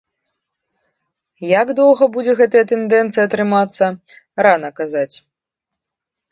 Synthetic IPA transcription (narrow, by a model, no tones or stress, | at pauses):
jaɡd̪ɔwɣɐbud͡zʲɛɣɛt̪ɐjɐt̪ɛnd̪ɛnt̪sɨjɐt̪ɾɨmat̪sːɐ | ɾanɐkazat͡sʲ